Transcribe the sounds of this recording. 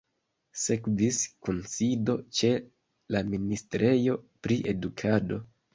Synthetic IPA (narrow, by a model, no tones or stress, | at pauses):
se̞kviskonsido̞t͡ʃe̞ | laministɾe̞jo̞pɾiʔe̞dukʰado̞